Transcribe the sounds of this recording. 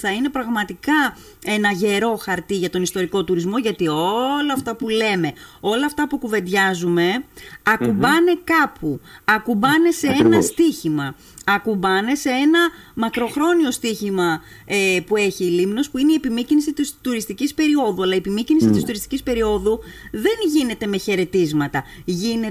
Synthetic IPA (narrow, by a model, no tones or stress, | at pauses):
θɐine̞pɾɐɣmɐt̪ikɐ | e̞nɐʝe̞ɾo̞xɐɾt̪iʝɐt̪o̞nist̪o̞ɾiko̞t̪uɾizmo̞ʝɐt̪io̞lɐːft̪ɐpule̞me̞o̞lɐːft̪ɐpukuve̞nd̪ʝɐzume̞ɐkubɐne̞kɐpʰuɐkubɐne̞se̞enɐst̪içimɐ | ɐkubɐne̞se̞enɐmɐkɾo̞xɾo̞nio̞st̪içimɐepue̞çiːlimno̞spuineiepimicinisit̪ist̪uɾist̪icispe̞ɾio̞ðuɐlɐiepimicinisit̪ist̪uɾist̪i̥cispe̞ɾio̞ðuðe̞nʝine̞t̪e̞me̞çe̞ɾe̞t̪izmɐt̪ɐʝine